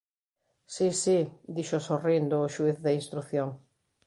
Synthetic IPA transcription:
sisid̪iʃosorind̪ʊːʃuiθðɐinst̪ɾuθjoŋ

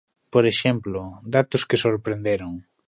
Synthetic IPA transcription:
poɾeʃemplʊd̪at̪ʊskɪsoɾpɾend̪eɾʊŋ

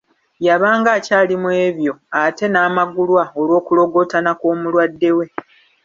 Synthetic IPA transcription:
jaβaːŋɡaːcaːlimwe̞ːβjo̞ate̞naːmaɡulwao̞lwo̞ːkulo̞ɡo̞tanakoːmulwadːe̞we̞

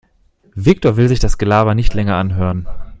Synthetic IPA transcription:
vɪk̚toɐvɪlzɪçd̥asɡ̥əlaːbɐnɪçtlɛŋɐʔanɦøːʁən

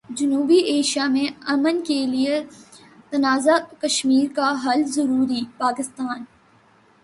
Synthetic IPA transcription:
d͡ʒɐnuːbiʔeːʃijamẽɐmənkelie | t̪ɐnaːzakɐʃmiːɾkaɦɐlzɐɾuːɾipaːkɪst̪aːn

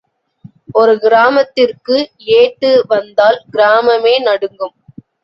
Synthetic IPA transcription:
ɔɾɯɡɪɾaːmɐt̪ːɪrkɯ | eːʈːɯʋɐnd̪aːlɡɪɾaːmɐmeːnɐɽɯŋɡɯm

